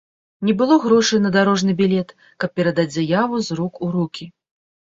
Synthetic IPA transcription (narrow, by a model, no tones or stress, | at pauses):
nʲɛbɨlˠɔɣɾɔʂɨjnɐd̪aɾɔʐnɨbʲilʲɛt̪ | kɐp̚pʲɛɾɐd̪ad͡zʲzʲajavuzɾukuɾukʲi